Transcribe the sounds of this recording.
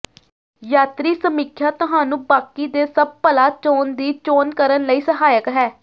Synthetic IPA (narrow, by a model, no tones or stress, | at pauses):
jaːt̪ɾiːsəmiːkʰjaːt̪ʊɦaːnũːbaːkiːd̪eːsəb̚pəlaːt͡ʃoːnd̪iːt͡ʃoːnkəɾənləiːsəɦaːjəkɦɛː